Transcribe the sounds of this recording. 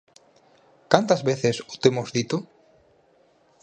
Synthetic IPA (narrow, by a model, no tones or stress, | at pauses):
kant̪azβeθesut̪emozðit̪o